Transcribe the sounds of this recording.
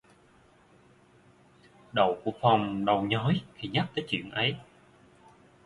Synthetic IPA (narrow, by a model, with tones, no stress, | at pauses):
ɗə̰˧˩wku˧˩əfa˨˩wŋ͡mɗə˨˩wɲɔ˨˦jkʰi˨˧˩ɲa˦˥k̚t̪əː˨˦jt͡ɕwḭ˧˨ənʔə˨˦j